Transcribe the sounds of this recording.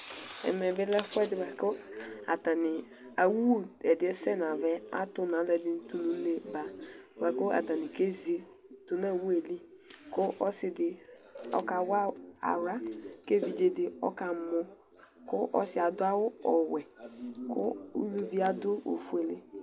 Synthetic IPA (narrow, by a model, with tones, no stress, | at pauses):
ɛ̰˨mɛ˨vɪ˦lɛ˦fɛ˦dɪ˨wɛ˨kʊ˦a̰˨ta˨nɪ˨ | a˨wu˦˨ɛ˨dɪ˨˦ɛ˦sɛ˦˨n˨a˨vɛ˦a̰˦tʊ˦na˨˦lɛ˨di˦n˦tu˨nũ˨˦le˨ba˨˦ | wɛ˨kʊ˦a̰˨ta˨ni˨ke˦zi˨e˨˦ | tu˨na˦˨wu˦e˨li˦ | kʊ˦ʔɔ˦sɪ˨dɪ˨ | ɔ̰˦ka˨wa˦a̰˨ɾa˦ke˦˨vi˨d͡ʒe˦dɪ˨ɔ̰˦ka˨˦mɔ˦ | kʊ˦ʔɔ̰˦sɪ˦a˨dʊ˦a˦wʊ˦ɔ˨wɛ˨kʊ̰˦u˦lu˦vi˦a˦dʊ˦o̰˨fu˦e˨le˦